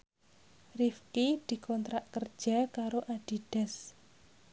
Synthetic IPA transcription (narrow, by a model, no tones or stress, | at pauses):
rifkid̪̥i̤kɔnt̪ɾaʔkərd̥ʒ̥a̤kaɾoʔaɖ̥i̤ɖ̥ɛ̤s